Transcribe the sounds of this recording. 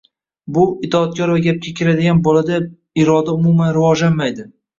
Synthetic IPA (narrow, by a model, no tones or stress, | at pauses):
bʊɪt̪ʰɒːt̪̚kʲɒɾvaɡʲap̚kʲʰakʲʰɪɾad̪ɪɡʲanbɒlad̪a | ɪɾɒd̪aʊmʊmanɾɪvɒʒlanmajd̪ɪ